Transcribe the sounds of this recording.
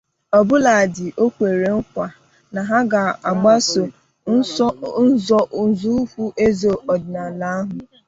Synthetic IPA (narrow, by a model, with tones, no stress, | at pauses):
ɔ˨bʊ˦la˨dɪ˨ʔo˦kʷe˨ɾe˨ŋ̩˦kʷa˨ | na˨ɦa˦ɡa˨a˨ɡ͡ba˦so˨˦ | n̩˦zɔ˦ʔn̩˨zu˦kʷu˦ʔe˦zo˨ʔɔ˨dɪ˨na˨la˦a˦ɦʊ˨